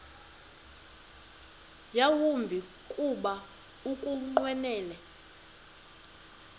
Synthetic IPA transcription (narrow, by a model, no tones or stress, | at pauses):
jawumbʱi | kʼuɓa | ukʼuŋ͡ǃwɛnɛːlɛ